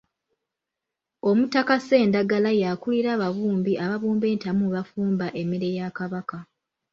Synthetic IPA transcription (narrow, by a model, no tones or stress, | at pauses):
o̞mutːakase̞ːndaɡalajakuliɾaːβaβuːmbiʔaβaβuːmbe̞ːntamuβafuːmbaʔe̞meɾe̞jakaβaka